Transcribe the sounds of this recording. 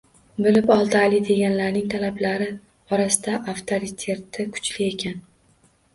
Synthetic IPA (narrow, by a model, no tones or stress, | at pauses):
bɪlɪpɒlˠd̪alɪd̪e̞ɡʲanlaɾnɪŋt̪ʰalablaɾɪ | ɒɾasɪd̪aʔaft̪ʰoɾit̪ʲʰe̞t̪ːɪkʰʊ̥t͡ʃlɪe̞kʲʰan